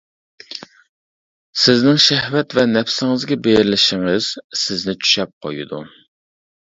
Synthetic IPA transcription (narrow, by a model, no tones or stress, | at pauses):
sɪznɪŋʃɛhvɛt̪vɛnɛfsɪŋɨzɡʲɛbejɾlɪʃɪŋɪz̥sɪznɪt͡ʃʰy̥ʃɛp̚qʰo̰jud̪ṵ